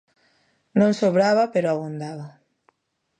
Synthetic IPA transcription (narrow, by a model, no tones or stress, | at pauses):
nõŋsoβɾaβapeɾoaβond̪aβa